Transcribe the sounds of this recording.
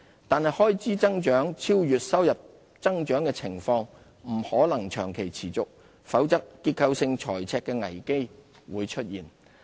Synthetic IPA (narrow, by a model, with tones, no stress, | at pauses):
t̪aː˨nɦɐ˨jhɔː˥jt͡siː˥t͡sɐ˥ŋt͡ʃœː˨˥ŋt͡sʰiː˥wjyː˨t̚sɐ˥wjɐ˨p̚ | t͡sɐ˥ŋt͡ʃœː˨˥ŋkɛː˧t͡sʰɪ˨˩ŋfɔː˧ŋ | m̩˨˩hɔː˨˥lɐ˨˩ŋt͡ʃʰœː˨˩ŋkʰe˨˩jt͡sʰiː˨˩t͡sʊ˨k̚ | fɐ˨˥wt͡sɐ˥k̚ːiː˧t̚kʰɐ˧wsɪ˧ŋt͡ʃʰɔ̰ː˨˩jt͡sʰɛː˧kːɛː˧ŋɐ̰˨˩jke˥j | wuː˨˧jt͡ʃʰɵ˥t̚jiː˨˩n